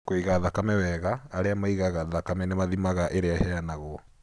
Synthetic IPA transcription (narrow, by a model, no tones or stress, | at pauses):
koiɣaðakamɛwɛɣaːɾeamaiɣaɣaðakamɛnemaðimaɣaʔeɾeahɛanaɣɔ